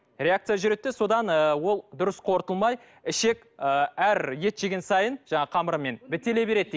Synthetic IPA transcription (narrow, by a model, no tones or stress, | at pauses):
ɾe̞akt̪sɨjaʒʏɾe̞t̪ːɪso̞d̪ɑnəwo̞lˠd̪ʊɾəsqʰo̞ɾt̪əlˠmɑj | ɪʃe̞kʲ | əæɾje̞t̪ʒ̥eɡʲensɑjənʒ̥ɑɴɑqʰɑməɾəmːe̞nbɪt̪ːe̞le̞be̞ɾe̞d̪